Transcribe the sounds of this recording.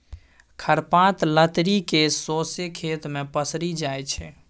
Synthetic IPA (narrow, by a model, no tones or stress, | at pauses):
kʰəɾpãt̪lət̪ɾikesosekʰet̪mepəsɾid͡ʒajt͡ʃʰɛ